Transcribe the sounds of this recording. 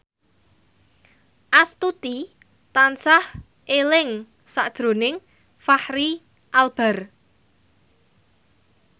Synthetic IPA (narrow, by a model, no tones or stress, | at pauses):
ʔast̪ut̪i | t̪ansah | ʔelɪŋ | saʔd̥ʒ̥ɾo̤nɪŋ | fahɾi | ʔalb̥ɛ̤r